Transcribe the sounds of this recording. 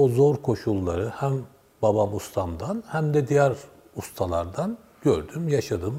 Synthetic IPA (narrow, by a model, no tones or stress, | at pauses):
ozo̞ɾkʰo̞ʃulˠːaɾɯhæm | babamust̪ʰamd̪anhæmd̪ɛd̪ijæɾ | ust̪ʰalˠaɾd̪an | ɟø̰ɾd̪ymjaʃad̪ɯm